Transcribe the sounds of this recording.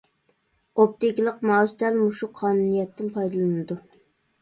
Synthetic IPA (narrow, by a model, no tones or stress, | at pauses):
op̚t̪ɪkʲilˠəqmɑst̪ɛlmuʃuqʰɑːnunijɛt̪ːɪnpʰɑjd̪ɨlˠɨnɨd̪u